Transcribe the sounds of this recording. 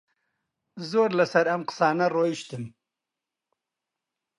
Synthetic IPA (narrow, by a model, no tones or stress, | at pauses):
zoːɾlasɐɾamqsɑːnaroːjiʃt̪im